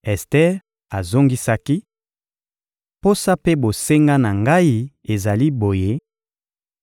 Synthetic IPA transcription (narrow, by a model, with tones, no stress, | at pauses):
ɛ˨stɛ˦ʁ | a˨zo˦ŋɡi˦sa˦ki˦ | po˦sa˦pe˦bo˨se˦ŋɡa˦na˨ŋɡa˦i˦ | e˨za˨li˦bo˨je˦